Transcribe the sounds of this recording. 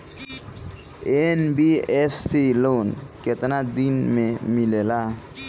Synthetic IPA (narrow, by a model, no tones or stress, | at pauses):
enbiepʰsilonket̪nad̪inmemilela